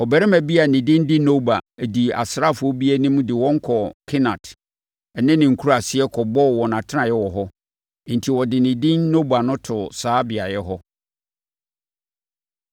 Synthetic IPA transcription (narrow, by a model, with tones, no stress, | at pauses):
ɔ˨bæ˨ɾɛ˦mæ̃˨bi˦a˨nɪ̃˨dɪ̃˦n˦dɪ˦no˦ba˨di˨a̰˨sɾa˦˨fʊ˨ɔ˦bi˦ɛ˦nɪ̃˦m̃˦dɪ˨wɔ̃˦ŋ̩˦kʰɔ˨kʰɪ˦nã˨t | ɛ˨nɪ̃˦nɪ̃˨ŋ̩˨kʰu˦ɾa˨sɪ˦ɛ˦kʰɔ˨bɔ˦˨wɔ˨nã˨tʰɪ˦nã˨jɛ˦wɔ˨ɦɔ˦ | n̩˨tʰi˨wɔ˨dɪ˨nɪ̃˨dɪ̃˦nːo˦ba˨nʊ̃˦tʰʊ˨saː˨˦bɪ˨a˨jɛ˦ɦɔ˦